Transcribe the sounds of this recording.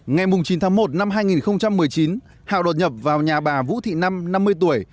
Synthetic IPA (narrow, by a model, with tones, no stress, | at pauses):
ŋa˨˩jmʊ˨˩ŋ͡mt͡ɕi˨˦nt̪ʰaː˨˦ŋmo˨˩t̚na˧mɦaː˧jŋi˨˩nxə˧wŋ͡mt͡ɕa˧mːɨ˨˩əjt͡ɕi˨˦n | ha̰ː˧˨ɗo˨˩t̚ɲə˨˩p̚vaː˨˩wɲaː˨˩ɓaː˧˩vṵ˧˥t̪ʰḭ˧˨na˧mna˧mːɨ˧əjt̪u˧˩əj